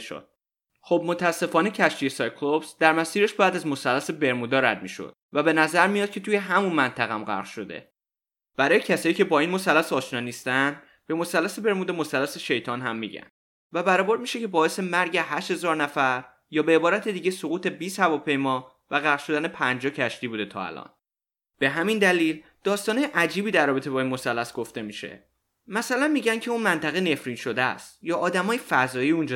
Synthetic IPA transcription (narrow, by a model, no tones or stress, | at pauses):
ʃo̰d̪̥̚ | xob̚mot̪ʰææsːe̞fɒːne̞cʰæʃt̪ijesɒjkʰlopsd̪æɾmæsiːɾeʃbæːd̪æzmo̞sælːæse̞be̞ɾmud̪ɒːɾæ̰d̪̚mḭːʃo̰d̪̥væbe̞næzæɾmijɒːd̪̚cʰe̞t̪uːje̞ɦæmunmænt̪ʰæɣæ̰mɢæ̰ʁlʃo̞̰d̪e̞̰ | b̥æɾɒːjecʰæsɒːiːcʰe̞bɒːinmo̞sælːæsɒːʃnɒːniːst̪ænd̪ | b̥e̞mosælːæsebe̞ɾmuːd̪emosælːæseʃe̞jt̪ʰɒːnɦæmːḭɟæ̰nd̪ | væbæɾɒːboɾd̪miːʃecʰe̞bɒːe̞se̞mæɾɟe̞ɦæʃt̪he̞zɒːɾnæfæɾ | jɒːbeːbɒːɾæt̪ʰed̪iːɟe̞soɣuːt̪ʰe̞biːshævɒːpʰe̞jmɒː | væɣæʃo̞d̪æne̞pʰænd͡ʒɒcʰæʃt̪iːbuːd̪e̞t̪ʰɒ̰ːæ̰lɒ̰ːn | b̥e̞ɦæmind̪æliːl | d̪̥ɒːst̪ɒːnɒjeʔæd͡ʒiːbiːd̪æɾrːɒːbe̞t̪ʰe̞bɒːinmo̞sælːæsɡ̥o̞ft̪e̞miʃe̞̰ | mæsælænmiːɟæncʰe̞unmænt̪ʰæɣene̞fɾiːnʃo̞d̪eæ̰st̪jɒːʔːd̪æmɒːjefæzɒːjiːund͡ʒ